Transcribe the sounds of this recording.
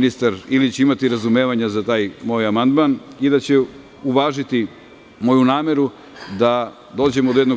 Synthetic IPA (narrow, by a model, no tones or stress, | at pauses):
nist̪aɾilit͡ɕeimat̪iɾazume̞ːʋaɲazat̪aːjmo̞ːjamand̪manid̪at͡ɕe̞ | uʋaːʒit̪i | mo̞junaːme̞ɾu | d̪a | d̪o̞ːd͡ʑe̞mod̪jed̪no